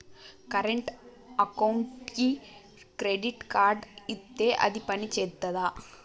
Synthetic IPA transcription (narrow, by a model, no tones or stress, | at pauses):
kɐɾeɳʈ | ɐkɐwɳʈki | kɾeɖiʈkaːɾɖit̪ːeːʔɐ̰d̪ipɐnit͡ʃeːt̪ːɐd̪aː